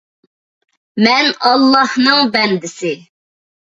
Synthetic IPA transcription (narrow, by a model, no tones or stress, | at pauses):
mɛnɑlˠːɑhnɨŋbɛnd̪ɪsɪ